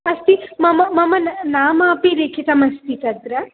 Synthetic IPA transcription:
ɐst̪imɐmɐmɐmɐnɐnaːmaːpiɾekʰit̪ɐmɐst̪it̪ɐd̪ɾɐ

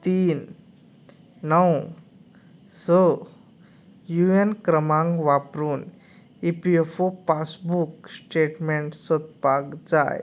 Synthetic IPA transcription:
t̪iːn | əw | sə | juenkɾəmãŋɡʋapɾuːn | ipiefopasbuksʈeʈmeɳʈsɔt̪pakd͡za̰j

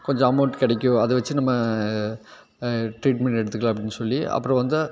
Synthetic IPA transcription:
kɔɲd͡ʒɔ̃ɐmɐːʈkɪɽɛkʲːʊ̃ɐðɐʋɐt͡ʃːɯnɐmːɐ | ʈɾiːʈmɛɳʈɛɽɯt̪ːɯkːɭaɐp̬ːɐɽɪnːɯsɔlːiɐ̰pːɯɾɔ̃ʋɐnd̪ɯ

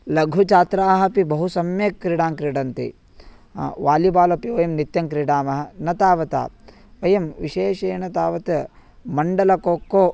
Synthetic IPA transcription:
lɐɡʱut͡ʃaːt̪ɾaːɦɐpibɐɦusɐmjeːkːɾiɽaːŋkɾiɽɐnt̪ḭ | ʋaːlibaːlɐpiʋɐjɐmnit̪jɐŋkɾiɽaːmɐɦɐnɐt̪aːʋɐt̪a̰ː | ʋɐjɐmʋiʃeːʃɐːnɐt̪aːʋɐt̪ɐmɐɳɖɐlɐkoːkːoː

